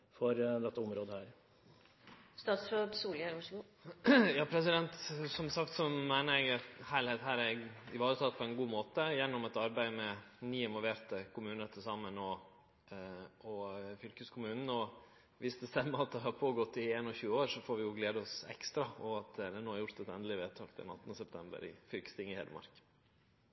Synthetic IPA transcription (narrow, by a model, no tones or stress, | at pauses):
fɔɾd̪ɛt̪ːəʊmɾoːd̪əhæːɾ | st̪ɑːt̪sɾot̪suːlæɾʋɑʂɡu | jɑːpʰɾɛs̬ɪd̪ɛnt̪sɔmsɑkt̪sɔmæɪnəɾɛɡɑt̪hæɪlheːt̪ɦæːɾæɾɪʋɑːɾət̪ʰɑt̪ːpʰɔɛɪnɡuːmoːt̪əjɛnːɔmɛt̪ɑɾbæɪmɛnyːɪnʋɔlʋeːt̪əkʰʊmʉːnət̪ʰɪlsɑmənɔ | ɔfʏlkəskʰʊmʉːnn̩ɔ | ʋɪsd̪ɛst̪ɛmːəɾɑt̪̚d̪ɛɦɑɾpʰoːɡɔt̪ːɪeːnɔçʉːəoːɾʂɔfoːɾʋɪjʊɡleːd̪əɔsɛ̰kst̪ɾɑɔɑt̪̚d̪ɛnoːhæɾjʊɾt̪ɛt̪ɛ̰nd̪lɪʋeːt̪ʰɑːkd̪ɪɛ̰nɑ̰t̪ːnəsɛpt̪ʰɛmbə̰ɾɪ̰fʏlkəst̪ɪŋɪhḛːd̪əmɑ̰ɾk